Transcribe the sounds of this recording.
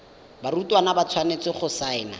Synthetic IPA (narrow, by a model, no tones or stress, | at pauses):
barutʼwanabat͡sʰwanet͡sɪχʊsaɪna̰